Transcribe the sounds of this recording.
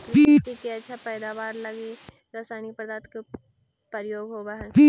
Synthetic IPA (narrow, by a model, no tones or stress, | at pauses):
it̪ikeɐtːʃʰapɛːd̪aːʋaːɾlɐɡe | ɾaːsaːnipəɾd̪aːt̪ke | pəɾjoːɡɦoːbaɦɛ̃pi